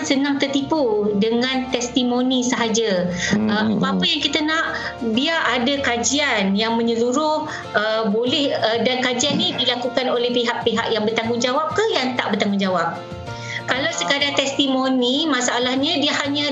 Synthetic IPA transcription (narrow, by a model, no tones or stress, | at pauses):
sənaŋt̪ərt̪ipudəŋãnt̪ɛst̪imonisəɦad͡ʒaəmapaapəjaŋkit̪anaʔ | biaʔadakad͡ʒianjaŋmə̃ɲəluɾʊh | əbolɛhədankad͡ʒianːidilakukanolɛhpiɦaʔpeɦa̰ʔjaŋbərt̪aŋud͡ʒawap̚kahjaŋt̪aʔbət̪aŋɡud͡ʒawap̚ | kalawsəkadat̪ɛst̪imonimasaʔalahɲadiahaɲa